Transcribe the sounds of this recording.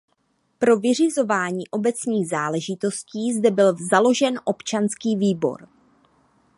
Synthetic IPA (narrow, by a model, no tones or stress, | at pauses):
pɾo̞vɪr̝ɪzo̞vaːɲiːʔo̞bɛt͡sɲiːɣzaːlɛʒɪt̪o̞sciːzdɛbɪlzalo̞ʒɛnʔo̞pt͡ʃanskiːviːbo̞̰ɾ